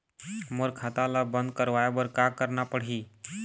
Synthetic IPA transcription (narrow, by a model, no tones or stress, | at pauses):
məɾkʰat̪alabənd̪̚kəɾʋajabəɾkakəɾɳapəɽ̤ɦiː